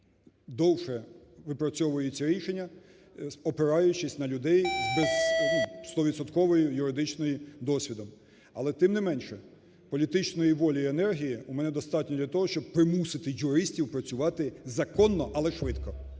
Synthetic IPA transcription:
d̪ɔwʃɛʋɪpɾɐt͡sʲɔʋʊjɪt͡sʲːɐɾʲiʃenʲːɐ | ɔpɪɾɑjʊt͡ʃɪsʲnɐlʲʊd̪ɛjbɛz̥nust̪ɔʋʲid̪sɔt̪kɔʋɔjʊjʊɾɪd̪ɪt͡ʃnɔjid̪ɔsʲʋʲid̪ɔm | ɐlˠɛt̪ɪmnɪmɛnʃɛ | pɔlʲit̪ɪt͡ʃnɔjiʋɔlʲiienɛrɦʲijiumɛnɛd̪ɔst̪ɑtʲnʲɔd̪lʲɐt̪ɔɦɔʃt͡ʃɔb̚pɾɪmusɪt̪ɪjʊɾɪsʲtʲiwpɾɐt͡sʲʊʋɑt̪ɪzɐkɔnːɔʔɐlˠɛʃʋɪt̪kɔ

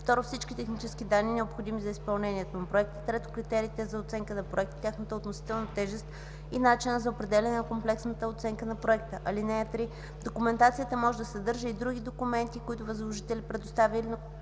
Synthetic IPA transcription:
ft̪ɔɾofsit͡ʃkʲit̪ɛxnit͡ʃɛskid̪anːiːnɛopxod̪imizɐispɐlˠnɛniɛt̪onɐpɾoɛk̚t̪ə̥t̪ɾɛt̪ʊ̥kɾit̪ɛɾiːt̪ɛzɐot̪sɛŋkənɐpɾoɛkt̪ə̥t̪ʲjaxnət̪əot̪nosi̥t̪ɛlˠnɐt̪ɛʒɛst̪ | inat͡ʃinəzɐopɾɛd̪ɛlʲɛnɛnɐkomplɛksnət̪əot̪sɛŋkənɐpɾoɛkt̪əʔɐlinɛɛt̪ɾi | d̪okʊmɛnt̪at̪sijət̪əmɔʒɛd̪ɐsɛd̪ɤɾʒəid̪ɾuɡ̟ʲid̪okumɛnt̪ikʊit̪ʊvɐzlˠoʒit̪ɛlipɾɛd̪ʊst̪avʲəilinɐ

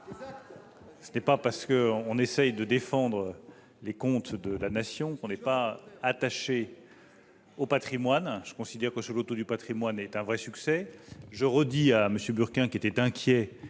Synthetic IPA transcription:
sənɛpapaʁsə̥kəɔ̃nesɛjd̪əd̪efɑ̃d̪ʁə | lekɔ̃t̪d̪əlanasjɔ̃kɔ̃nɛpaːt̪aʃe | opat̪χimwanʒ̥ə̥kɔ̃sid̪ɛʁkəsəlot̪od̪ypat̪χimwanɛt̪ɛ̃vʁɛsyksɛʒəʁəd̪iaməsjøbyʁkʲɛ̃kʲiet̪ɛt̪ɛ̃kʲʰjɛ

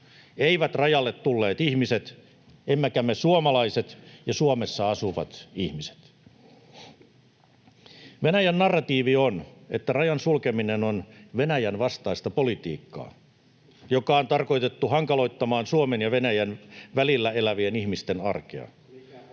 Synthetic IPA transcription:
eiʋæt̪rɑjɑlːet̪tulːeːt̪ihmiset̪ | emːækæmesuomɑlɑiset̪jɑsuomesːɑɑsuʋɑ̰t̪ihmise̥t̪ | ʋenæjænːɑrːɑt̪iːʋionet̪ːærɑjɑnsulkeminenonʋenæjænʋɑst̪ɑist̪ɑpo̞lit̪ḭːkːɑ̰ː | jokɑont̪ɑrko̞jt̪e̞t̪ːuhɑŋkɑlo̞it̪ːɑmɑːnsuomenjɑʋenæjænʋælilːæe̞læʋienihmist̪enɑ̰rkḛɑ̰

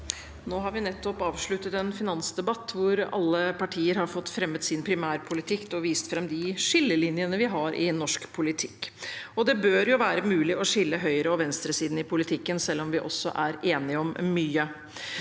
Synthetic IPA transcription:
noːɦɑɾʋɪnɛt̪ːɔpɑːʋʂɭʉt̪ət̪ɛnfɪnɑnsd̪ɛbɑt̪ːʋʊɾɑ̰lːəpʰɑʈʰiːəɾɦɑɾfɔt̪ːfɾɛmːət̪sɪnpʰɾɪmæːɾpʰʊlɪt̪ʰɪkt̪ɔʋiːst̪fɾɑmd̪ɪʂɪlːəlɪnjənəʋɪɦɑɾʔɪ̰nɔʂkpʰʊlɪt̪ʰɪ̥kːɔd̪ɛbøːɾjʊʋæːɾəmʉːlɪʔɔʂɪlːəɦœʏɾəɔʋɛnst̪ɾəsiːd̪n̩ɪpʰʊlɪt̪ʰɪkːənsɛlːɔmʋɪʔɔsːɔ̰ʔæɾeːnɪəɔmːyːə

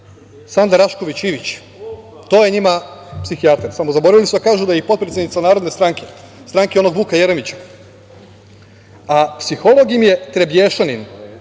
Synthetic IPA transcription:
sand̪aɾaʃko̞ʋit͡ɕiʋit͡ɕ | t̪o̞ːjeɲimapsixiat̪eɾsamozaboɾaʋilisd̪akaːʒud̪ajipo̞t̪pɾesʲjed̪it̪sanaːɾo̞d̪ne̞st̪ɾaŋkʰe̞̥ | st̪ɾaŋkeo̞no̞ɡbuːkajeɾemit͡ɕḁ | apsixo̞lo̞ɡimje̞t̪ɾebjeːʃanin

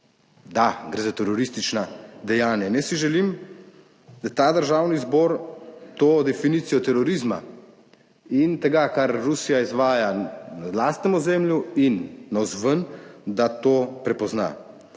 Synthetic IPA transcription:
d̪aɡɾeːzat̪ɛɾɔɾist̪it͡ʃnad̪ɛjaːnjanɛsiʒɛlim | d̪at̪aːd̪əɾʒaːwnizbɔɾt̪oːd̪ɛfiniːt̪sijɔt̪ɛɾɔɾizma̰ | int̪ɛɡakaɾːusijaizʋaːjanalaːst̪nɛmɔzemljuinːawzʋənd̪at̪oːpɾɛpɔzna̰

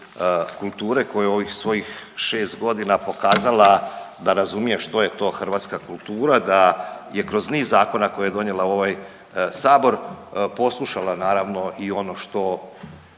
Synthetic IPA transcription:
kulˠt̪uːɾe̞ko̞jeo̞ʋixsʋo̞jixʃe̞ːst̪ɡo̞d̪inapo̞kaːzalad̪aɾazumije̞ʃt̪o̞je̞t̪o̞ːxr̩ʋaːt̪skakulˠt̪uːɾad̪aje̞kɾo̞zniːzːaːko̞nako̞jajed̪o̞ɲe̞lao̞ʋaj | saːbo̞ɾpo̞slˠuʃalanaːɾaʋno̞ʔio̞no̞ʃt̪o̞

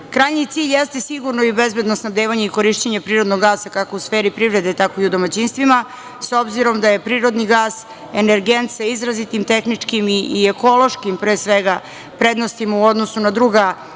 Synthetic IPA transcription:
kɾajɲit̪siːʎʲjest̪e̞siɡuɾnoibezbe̞d̪nosnavd̪eʋaɲeiko̞ɾiʃt͡ɕeɲepɾiːɾo̞d̪noɡːaːsakako̞usfeːɾipɾivɾe̞d̪et̪ako̞iud̪o̞mat͡ɕinst̪ʋima | so̞bziɾo̞md̪aje̞pɾiːɾo̞d̪niɡaːs | eneɾɡent̪saizɾazit̪imt̪exnit͡ʂkimiieko̞lo̞ʃkimpɾeːsʋeɡa | pɾe̞d̪nost̪imauod̪nosunad̪ɾuɡa

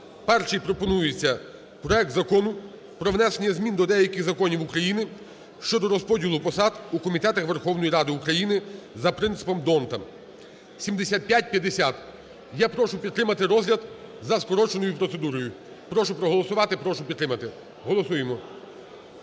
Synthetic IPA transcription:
pɛrt͡ʃijpɾɔpɔnujɪt͡sʲːɐ | pɾɔɛk̚t̪zɐkɔnʊ | pɾɔʋnɛsenʲɐzmʲind̪ɔd̪ɛjɐkɪxzɐkɔnʲiwukɾɐjinɪ | ʃt͡ʃɔd̪ɔɾɔspɔdʲilˠʊpɔsɑd̪ukɔmʲit̪ɛt̪ɐxʋe̞rxɔwnɔjiɾɑd̪ɪukɾɐjinɪzɐpɾɪnt̪sɪ̥pɔmd̪ɔnt̪ɐ | sʲimd̪esʲat̪̚pʲjat̚ʲpʲjɐd̪ːesʲat̪ | japɾɔʃʊpʲid̪t̪ːɾɪmɐt̪ɪɾɔzɦlʲɐd̪zɐskɔɾɔt͡ʃenɔjʊpɾɔt̪se̞d̪uɾɔjʊ | pɾɔʃʊpɾɔɦɔlˠɔsʊʋɑt̪ɪpɾɔʃʊpʲid̪t̪ːɾɪmɐt̪ɪ | ɦɔlˠɔsujemɔ

